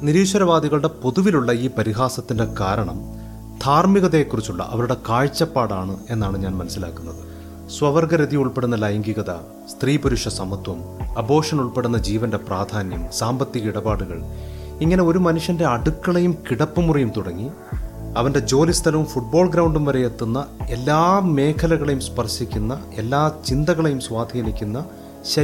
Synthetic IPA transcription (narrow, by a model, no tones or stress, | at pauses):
niɾiːɕɐɾɐʋaːd̪iɣɐɭɽe̞po̞ðuʋiluɭːɐiːpɐɾiɦaːsɐt̪ːinde̞kaːɾɐɳɐm | d̪ʱʰaːrmiɣɐðeːkːurit͡ɕːuɭːɐ̰ʔɐ̰ʋɐɾuɽe̞kaːɻt͡ɕːɐpːaːɽaːɳɨe̞nːaːɳɨɲaːnmɐnɐsila̰ːkːunːɐðɨ | swɐʋɐrɡɐɾɐðijuɭpe̞ɽunːɐlɐjɐŋɡiɣɐðɐ | st̪riːpuɾuʂɐsɐmɐd̪ʱwɐmɐbʱo̞ːʂɐnuɭpe̞ɽunːɐd͡ʑiːʋɐnde̞praːd̪ʱaːnjɐmsaːmbɐt̪ːiɣɐiɽɐbaːɽuɣɐ̰ɭ | iŋːɐne̞o̞ɾumɐnuʂjɐnde̞ɐɽukːɐɭejumkiɽɐpːumurijumt̪uɽɐŋːi | ɐʋɐnde̞d͡ʑo̞ːlist̪ʰɐlɐʋumfuʈ̚bo̞ːɭɡɾɐwɳɖumʋɐɾe̞jet̪ːunːɐe̞lːaːmːe̞ːkʰɐlɐɣɐɭejumspɐrsikʲːunːɐ | e̞lːaːt͡ɕind̪ɐɣɐɭejumswaːd̪ʱiːnikʲːunːɐ | ɕɐ